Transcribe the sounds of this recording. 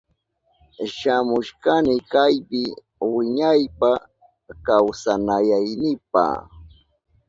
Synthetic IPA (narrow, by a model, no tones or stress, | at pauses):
ʃamʊʃkanɪkajpɪ | wɪɲajpa | kawsanajajnɪp̚a̰